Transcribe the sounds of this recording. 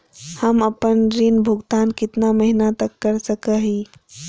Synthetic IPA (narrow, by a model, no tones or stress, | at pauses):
həməpənɾinbʱʊɡt̪aːnkɪt̪naməɦinat̪ɐkːəɾsəkəɦi